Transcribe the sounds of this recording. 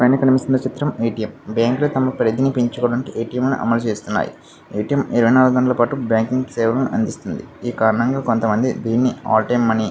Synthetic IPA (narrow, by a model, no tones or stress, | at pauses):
pɐjnɐkɐnmisindɐt͡ʃit̪ɾɐmejʈijɐmbjaːŋkloːt̪ɐmɐpɾed̪inipiɲt͡ʃukoːɽɐnikiʔejʈijɐmlɐnṵʔɐ̰mɐlut͡ʃe̞ːst̪unːa̰ːjḭ | ejʈijɐmiɾɐʋɐjnaːluɡud̪ɐɳɖɐlɐpaːʈubjaːŋkiŋɡsɛːʋɐɾɐnuʔɐnd̪ist̪und̪iiːkaːɾɐɳɐŋɡaːkont̪ɐmɐnd̪id̪iːnːia̰ːʈemɐni